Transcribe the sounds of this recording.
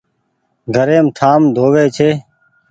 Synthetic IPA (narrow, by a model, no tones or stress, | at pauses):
ɡʱəɾẽːmt̪ʰaːmd̪ʱoːʋeːt͡ʃʰeː